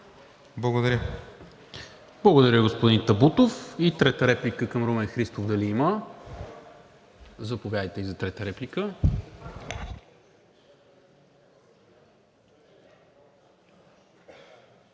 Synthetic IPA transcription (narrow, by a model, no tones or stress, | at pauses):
blˠɐɡod̪ɐɾʲjə | blˠɐɡod̪ɐɾʲəɡospod̪int̪ɐbut̪ofit̪ɾɛt̪əɾɛplikəkəmɾomɛxɾist̪ovd̪ɐliimə | zɐpovjad̪ijt̪ɛlizɐt̪ɾɛt̪əɾɛplikə